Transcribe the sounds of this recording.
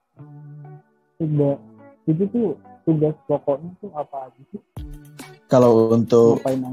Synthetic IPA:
ida | t̪it̪̬it̪ʊ | t̪uɡaspɔkɔʔɲat̪ʊhapaːd͡ʒisɪh | kalawunt̪ʊkpajna

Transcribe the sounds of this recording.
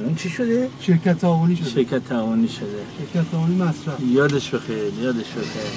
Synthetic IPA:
nunt͡ʃʰiʃod̪eʃeɾkʲʰæt̪ʰːævoniʃoʃeɾkʰæt̪ʰːævoniʃod̪eʃeɾkʲʰæt̪ʰːævonimæsɾæfjɒːd̪eʃbexeɾjɒːd̪eʃbexeɾ

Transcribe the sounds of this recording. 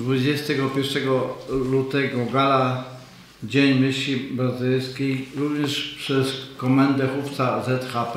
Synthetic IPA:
d̪vud͡ʑɛst̪ɛɡɔpʲjɛɾʂɛɡɔlut̪ɛɡɔɡala | d͡ʑeɲmʲɘɕibɾazɘlskʲejɾuvɲɛʂpʂɛskɔmɛnd̪ɛxuft̪sazɛt̪xap

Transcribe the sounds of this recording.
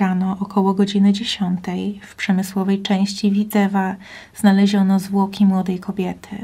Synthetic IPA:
anɔʔːkʰɔwɔɡɔd͡ʑinɘd͡ʑeɕɔnt̪ɛjfpʂɛmɘswɔvɛjt͡ʂɛ̃w̃ɕt͡ɕivʲid̪ɛva | z̥nalɛʑɔnɔzvwɔkʲimwɔd̪ɛjkʰɔbʲjɛt̪ʰɘ̰

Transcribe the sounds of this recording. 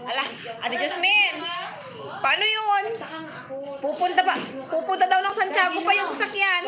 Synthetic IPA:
ʔɐla | ʔɐd̪ɐd͡ʒɐsmɛn | paːnojon | puːpʊnt̪ɐpapuːpʊnt̪ɐd̪ɐwnɐŋsɐnt͡ʃaːɡopɐjʊŋsɐsakjan

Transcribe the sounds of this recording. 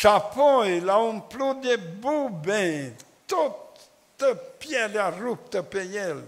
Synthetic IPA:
ʃapojlaumplud̪ebubẽ | t̪ot̪ | t̪əpjelearup̚t̪əpejel

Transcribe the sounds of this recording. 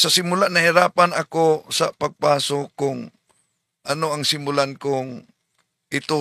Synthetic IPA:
sɐsɪmulanɐhiɾaːpanɐkosapɐɡ̚paːsokːʊŋ | ʔanoɐŋsɪmʊlankʊŋ | ʔɪt̪o

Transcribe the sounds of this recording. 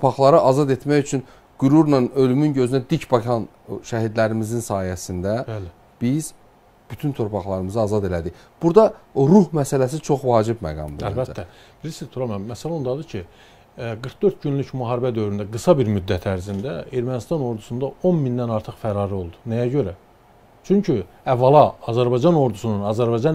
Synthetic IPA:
t̪ʰopʰɑχlˠɑɾɯʔɑzɑd̪e̞t̪mæjyt͡ʃʰyn | ɡ̥uɾuɾnɑnø̞lymynɟø̞zynæd̪icʰbɑkʰɑn | ʃæɦid̪læɾimizinsɑːhiæsind̪æbæl | b̥iz̥ | b̥yt̪ʰynt̪ʰo̞ɾpʰɑχlˠɑɾɯmɯzɯɑːzɑd̪e̞læd̪iç | b̥uɾd̪ɑɾuhmæsælæs̬it͡ʃʰo̞χvɑːd͡ʒibmæ̰ɡɑ̰mb̪iælbæt̪ʰːæ | b̥ilisizt̪ʰuɾɑmæmːæsælæond̪ɑd̪ɯcʰi | ɡɯɾkd̪øɾt̪̚ɟynlycmuɦɑːɾibæd̪ø̞vɾynd̪æɡɯsɑbiɾmyd̪ːæt̪ʰæɾzind̪æe̞ɾmænist̪ɑno̞ɾd̪usund̪ɑʔo̞nmind̪ænɑɾt̪ʰɯχfæɾɑːɾɯo̞lˠd̪u̥næjæɟø̞ɾæ | t͡ʃʰyɲcʰy | ævːɑlˠɑɑzæɾbɑjd͡ʒɑno̞ɾd̪usununɑzæɾbɑjd͡ʒɑn

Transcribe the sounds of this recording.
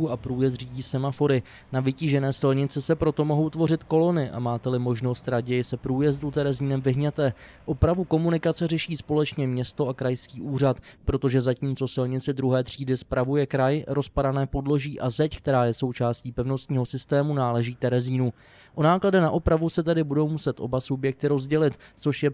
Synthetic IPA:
uapɾuːjɛs̬t̪riːɟiːsɛmafo̞ɾɪ | navɪciʒɛnɛːsɪlɲɪt͡sɪsɛpɾo̞t̪o̞mo̞ɦo̞wt̪vo̞rɪt̪ko̞lo̞nɪʔa̰maːt̪ɛlɪmo̞ʒno̞st̪ɾaɟɛjɪsɛpɾuːjɛzdut̪ɛɾɛziːnɛmvɪɦɲɛt̪ɛː | ʔo̞pɾavuko̞munɪkat͡sɛrɛʃiːspo̞lɛt͡ʃɲɛmɲɛst̪o̞ʔakɾajskiːʔuːr̝at̪pɾo̞t̪o̞ʒɛzaciːmt͡so̞sɪlɲɪt͡sɪd̪ɾuɦɛːt̪r̝̥iːdɪspɾavujɛkɾajɾo̞spadanɛːpo̞dlo̞ʒiːʔazɛck̚t̪ɛɾaːjɛso̞wt͡ʃaːsciːpɛvno̞st̪ɲiːɦo̞sɪst̪ɛːmunaːlɛʒiːt̪ɛɾɛziːnu | ʔo̞naːkladɛnaʔo̞pɾavusɛt̪ɛdɪbudo̞wmusɛt̪ʔo̞̰basubjɛk̚t̪ɪɾo̞zɟɛlɪt̪t͡so̞ʃjɛ

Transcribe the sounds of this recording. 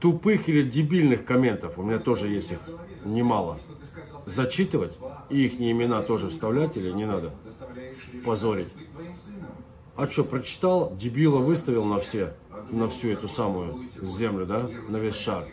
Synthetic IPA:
t̪ʊpɨxilʲɪdʲɪbʲilʲnɨxkɐmʲe̞nt̪əfʊmʲɪnʲat̪o̞ʐɨjesʲtʲixnʲɪmalˠə | zɐt͡ɕit̪ɨvətʲiixnʲɪɪmʲɪnat̪o̞ʐɨfst̪ɐvlʲætʲilʲɪnʲɪnad̪ə | pɐzoɾʲɪtʲ | ɐt͡ɕopɾət͡ɕɪ̥t̪alˠdʲɪbʲilˠəvɨst̪əvʲɪlˠnɐfsʲe | nɐfsʲuɛt̪ʊsamʊjʊzʲe̞mlʲʊd̪anɐvʲesʲʂar

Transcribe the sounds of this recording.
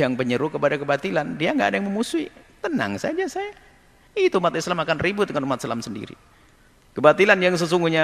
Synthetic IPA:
aŋpəɲəɾukəpadakəbat̪ilandiaŋɡaʔːdajaŋməmusuit̪əna̰ŋsa̰d͡ʒasaja | it̪uumat̪islamakanribʊt̪̚dəŋanumat̪̚slamsəndḭɾḭ | kəbat̪ilanjaŋs̬əs̬uŋɡuhɲa

